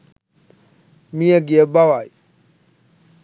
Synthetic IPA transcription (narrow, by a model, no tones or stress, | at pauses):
mĩɛɡiɛbawai